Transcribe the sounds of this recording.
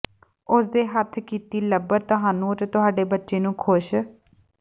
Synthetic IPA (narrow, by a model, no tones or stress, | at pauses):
ʊsd̪eːɦət̪ʰkiːt̪iːləbəɾt̪ʊɦaːnũːt̪t̪ʊɦaːɖeːbətːʃeːnũːkʰʊʃ